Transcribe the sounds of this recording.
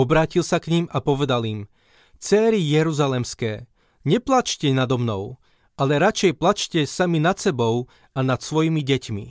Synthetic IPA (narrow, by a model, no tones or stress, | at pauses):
ɔbɾaːcilsakɲimapɔʋɛd̪alim | t͡sɛːɾijɛɾuzalɛmskɛː | ɲɛplat͡ʃcɛnad̪ɔmnɔʊ | ʔalɛɾat͡ʃɛjplat͡ʃcɛsaminat̪sɛbɔʊ | anat̪sʋɔjimiɟɛcmḭ